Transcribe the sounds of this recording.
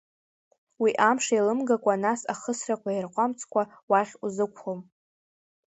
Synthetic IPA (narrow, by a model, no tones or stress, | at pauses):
wiʔamʂailɨmɡakʷʼanasaχəsrakʷʰairqʷʼamt͡sʰʼkʷʰa | waχʲuzɨkʷʰχom